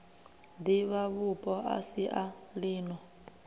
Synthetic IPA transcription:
d̪iβaβupʼɔʔa̰siʔaliːnɔ

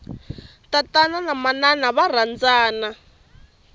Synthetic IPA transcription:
tatananamananaβar̤and͡zaːna

